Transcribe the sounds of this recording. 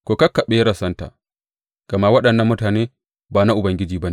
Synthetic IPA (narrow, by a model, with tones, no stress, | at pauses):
kʷoː˨kɐ˦kːɐ˨ɓe˦ja˦ɾɐ˨sɐ˦nta̰ː˨ | ɡ̥ɐ˨ma˦wɐ˦ɗɐ˨nːɐ˦mːʊ˦taː˨neː˦ | baː˨na˦ʔʊ˨bɐ˨ŋɡʲɪ˦d͡ʒiː˨ba˦ne˨